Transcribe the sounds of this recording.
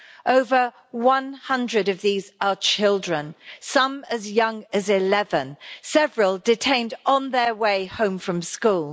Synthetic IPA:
ʔoʊvə | wʌ̃nhʌ̃ndɹəɾʌvðizət͡ʃʰɪlˠdɹə̃nsʌ̃məzjʌ̃ŋəzɪlɛvə̃nsɛvɹəlˠdɪtʰẽɪ̃ndnðəweɪhõʊ̃ɱfɹə̃mskuːlˠ

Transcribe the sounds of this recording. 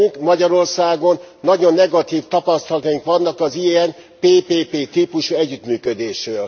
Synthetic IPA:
yŋkmɒɟɒɾo̞rsaːɡo̞nːɒɟo̞nːɛɡɒt̪iːft̪ɒpɒst̪ɒlɒt̪ɒjiŋkʋɒnːɒkɒziɛn | peːpeːpeːt̪iːpuʃuɛɟːyt̪myːkød̪eːʃrøːl

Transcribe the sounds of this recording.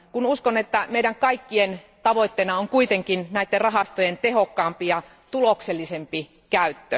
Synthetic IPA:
kunuskonet̪ːæmeiɾæŋkɑikːien | t̪ɑʋoit̪ːenɑoŋkuit̪eŋkinnæit̪ːerrɑɦɑst̪ojent̪ehokːɑːmpijɑ | t̪ulokselːisempi | kæyt̪ːø

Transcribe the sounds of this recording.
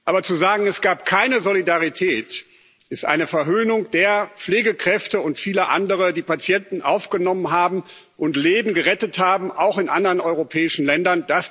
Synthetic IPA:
ʔaːbɐt͡suzaːɡŋ̩ɛsɡ̥aːpkʰaɪnəzolidaʁitʰɛːt | ʔɛstʔa̰ɪnəfɛɐɦøːnʊŋd̥eːɐp͡fleːɡəkʁ̥ɛftəʊntfiːlɐʔa̰ndəʁədiːpat͡sjɛntn̩ʔa̰ʊfɡ̥ənɔmənɦaːbm̩ | ʔʊntleːbm̩ɡəʁɛtəthaːbm̩ʔa̰ʊxɪnʔandəʁənɔʏʁopʰɛːɪʃn̩lɛndɐnd̥as

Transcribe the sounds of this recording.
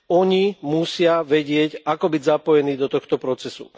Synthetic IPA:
ɔɲimusɪaʋɛɟɪɛcakɔbiɟzapɔjɛniːd̪ɔt̪ɔxt̪ɔpɾɔt͡sɛsṵ

